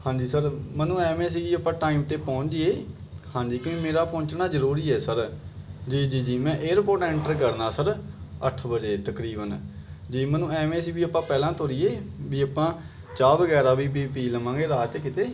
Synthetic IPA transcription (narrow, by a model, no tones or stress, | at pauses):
hãːd͡ʒiːsəɾmənũːɛːmɛ̃ːsiːɡiːəpãːʈaːiːmt̪eːpɔ̃ːɲt͡ʃːeː | hãːd͡ʒiːkõːiːmeːɾaːpɔ̃ːnt͡ʃnaːzəɾuːɾiːɛːsəɾd͡ʒiːd͡ʒiːd͡ʒiːmɛ̃ːʔeːɾpoːʈɛ̃ːɳʈəɾɡəɽnaːsəɾəʈʰbəd͡ʒeːt̪əkɾiːbənd͡ʒiːmənũːɛːmɛ̃ːsiːbiːəpãːpɛːlãːt̪ʰoːɾiːeːbiːapãː | t͡ʃaːʋəɡɛːɾaːʋiːp̬iːpiːləmãːɡeːɾaːt͡ʃkɪt̪eː